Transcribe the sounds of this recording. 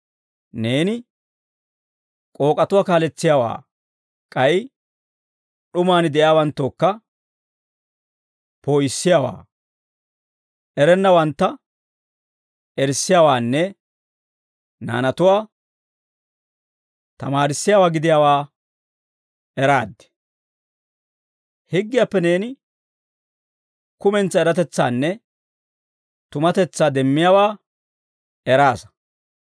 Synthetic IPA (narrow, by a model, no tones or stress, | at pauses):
ne̞ːnɪ | kʼo̞ːkʼɐt̪ʊwaːkaːlɛt͡sːɪjaːwa̰ː | kʼɐj | ɗʊmaːnɪd̪ɛʔjaːwɐnt̪ːoːkːɐ | poːjɪsːɪjaːwa̰ː | ɛɾɛnːɐwɐnt̪ːɐ | ʔɛɾsːɪjaːwaːnːɛ | na̰ːnɐt̪ʊwaː | t̪ɐmaːɾɪsːɪjaːwaːɡɪd̪ɪjaːwaː | ɛɾaːd̪ːɪ̥ | hɪɡːɪjaːpːɛne̞ːnɪ | kʊmɛnt͡sːɐɛɾɐt̪ɛt͡sːa̰ːnːɛ | t̪ʊmɐt̪ɛt͡sːaːd̪ɛmːɪjaːwaː | ɛɾaːsɐ̥